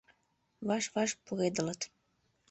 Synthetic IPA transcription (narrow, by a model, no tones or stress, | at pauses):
βɑʃβɑʃpuɣed̪ələt̪